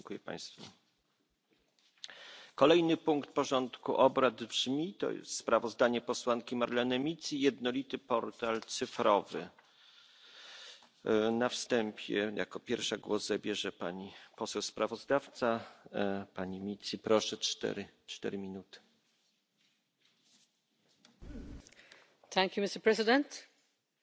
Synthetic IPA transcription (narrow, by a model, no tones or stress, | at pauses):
ŋkujɛpa̰j̃st̪fu | kɔlɛjnɘpuŋkt̪̚pɔʐɔnt̪kṵʔɔbɾad̪bʐmʲit̪ɔ̰jɛ̰st̪t̪spɾavɔzd̪aɲɛpɔswaŋkʲimaɾlɛnɛmʲit̪sijɛd̪nɔlʲit̪ɘpɔɾt̪alt̪sɘfɾɔvɘ̰ | nafst̪ɛmpʲʰjɛ̰jʔa̰kɔpʲjɛɾfʂaɡwɔzzabʲjɛʐɛpa̰ɲipɔsɛwspɾavɔzd̪aft̪sa | paɲimʲit̪sʲipɾɔʂɛt̪ɛ̰ɾt͡ʂt̪ɛ̰ɾɘmʲinut̪ɘ̥ | θæ̃ŋkjumɪstəpʰɹɛzɪdɛ̃nt